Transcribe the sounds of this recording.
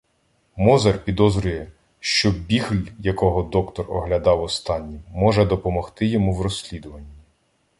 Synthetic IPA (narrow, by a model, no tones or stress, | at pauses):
mɔzɐrpʲid̪ɔzɾʲʊjɛ | ʃt͡ʃɔbʲixlʲjɐkɔɦɔd̪ɔkt̪ɔrɔ̰ɦlʲɐd̪ɑwɔst̪ɑnʲːimɔʒɛd̪ɔpɔmɔxt̪ɪjɔmuwrɔsʲlʲid̪ʊʋɐnʲːi